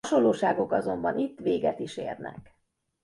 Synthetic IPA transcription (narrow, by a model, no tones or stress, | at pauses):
ʃo̞lːoːʃaːɡo̞kɒzo̞mbɒnʔit̪ːʋeːɡɛt̪iʃeːrnɛ̰k